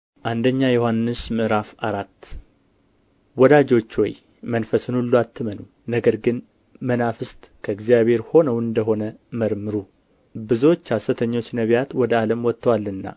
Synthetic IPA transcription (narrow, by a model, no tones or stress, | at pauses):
ʔand̪əɲːajohanːɨsmɨʔɾafaɾat̪ː | wɔd̪ad͡ʒo̞t͡ʃːwɔ̰j | mənfəsɨnulːuat̪ʰːɨmənu | nəɡəɾɡɨn | mənafɨst̪kʰəɨɡzijaβhe̞ɾho̞nəwɨnd̪əɦo̞nəməɾmɨɾu | bɨzuwot͡ʃːhasət̪ʰəɲːo̞t͡ʃːnəβjat̪wɔd̪əaləmwɔt̪ːəwalːɨnːa̰